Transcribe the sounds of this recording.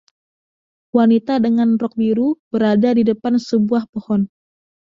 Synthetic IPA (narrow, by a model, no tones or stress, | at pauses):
wanit̪adəŋanrɔk̚biɾub̥əɾadadidəpansəbuahpohɔn